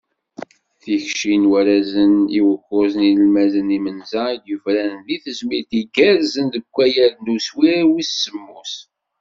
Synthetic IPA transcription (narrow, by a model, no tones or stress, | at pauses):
θiçʃinwæɾæzəniwəxːʊzninəlmæzənimənzɑɾd̪jəvɾænənðiθəzmiɾt̪iɡæɾzənd̪əkʷːæjəɾnuswiwissəmːus